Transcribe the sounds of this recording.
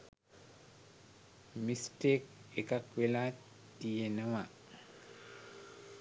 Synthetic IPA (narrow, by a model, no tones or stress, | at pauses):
mistek̚ɛkakwila | tːijenawa